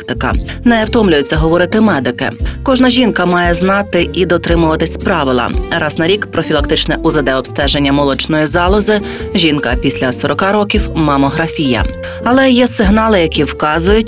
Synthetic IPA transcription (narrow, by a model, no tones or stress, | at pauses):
t̪ɪkɐ̰ | nɛɐwt̪ɔmlʲʊjet͡sʲːɐɦɔʋɔɾɪt̪ɪmɛd̪ɪkɪ̰kɔʒnɐʒʲinkɐmɑjɛznɑt̪ɪʔid̪ɔt̪ɾɪmʊʋɐt̪ɪsʲpɾɑʋɪlˠɐ̰ɾɑznɐɾʲikpɾɔfʲilˠɐk̚t̪ɪt͡ʃnɛʔʊzɐd̪ɛɔpst̪ɛʒenʲːɐmɔlˠɔt͡ʃnɔjizɑlˠɔzɪ | ʒʲinkɐpʲisʲlʲɐsɔɾɔkɑɾɔkʲiwmɐmɔɦɾɐfʲijɐ̰ | ɐlˠɛjɛsɪɦnɑlˠɪjɐkʲiwkɑzʊjʊt̚ʲ